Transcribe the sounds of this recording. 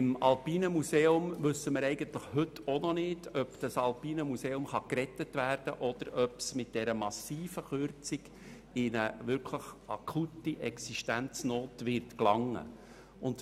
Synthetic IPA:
ɪmɑlpiːnəmuseːʊmvɵsːəməɾɛɪɡənt̪ləχhɵtʰːonɔnɪd̥œpd̥ɑsɑlpiːnəmuseːʊmχɑkɾɛtətʋæːrd̥ə̰ʔɔd̪̥əɾʔœpsmɪt̚d̥ɛɾəmɑsiːfəχøɾt͡siɡ | ɪnəʋʏɾkʰləχɑ̰kʰutːiʔɛksiʃtænt͡snoːtʋɪrtklɑŋːə̰ | ʊnd

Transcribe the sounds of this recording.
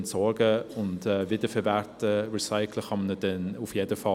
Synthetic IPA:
ntsɔɹɡəʊntɛːvɪdəfɛɾvɛtəɹɛsaɪkʰləχɑmnəd̥ɛnufjedəfɑ

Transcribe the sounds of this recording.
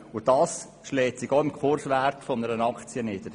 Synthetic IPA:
ʊd̥ɑːs | ʃlɛːtsɪxoɪmkχʊɾsʋæɾkfɔnəɾənɑkʰt͡sjənɪd̥əɾ

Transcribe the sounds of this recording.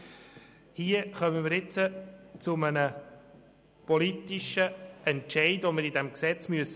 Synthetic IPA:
hiəχœməməɾɪt͡sət͡sʊmənə | pɔlit̪iʃəʔɛntʃɛɪdʋoməɾidɛmksɛt͡smyəs

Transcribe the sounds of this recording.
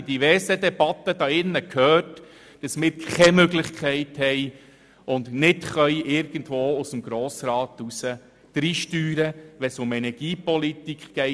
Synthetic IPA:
d̥iʋɛɾsədɛbɑt̪ːəd̥ɑɪnːəkhøːt | d̥ɑsmɪːɾʰɛmøɡlɪχkʰɛɪthɛj | ʊndnɪtχœjʔɪɾɡ̥ən̩dvoːʊsəmɡɾoːsɾɑːt̪usə | d̪̥ɾiːʃtyːɾəʋɛsʊmɛnɛɾɡ̥iːpɔlit̪ikχɡ̥ɛɪ

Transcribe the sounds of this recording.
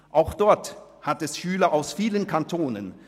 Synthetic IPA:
ʔaʊxd̥ɔɐthatɛsʃyːlɐʔaʊsfiːlənkʰantʰoːnə̰n

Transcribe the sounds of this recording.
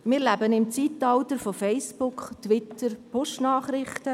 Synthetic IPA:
mɪɾlæbənɪmt͡siːtɑltəɾfofɛɪspʊkχtwɪtəɾpʰʊʃtnaːχɾɪχtə

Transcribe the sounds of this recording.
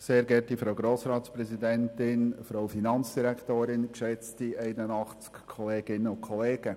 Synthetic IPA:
seːɾɡɛɾtifɾoʊɡɾoːsɾɑːt̪spɾɛzidɛntɪnfɾoʊfinɑnt͡sd̥iɾɛktoːɾɪnkʃɛt͡stiɛɪnənɑχt͡skkʰːɔleːɡ̥ɪnːəʊnkʰɔleːɡ̥ə

